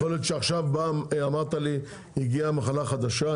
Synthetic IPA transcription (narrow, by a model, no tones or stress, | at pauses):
olet̪ʃeaχʃavbaamaʁt̪ali | iɡiamaχalaχad̪aʃa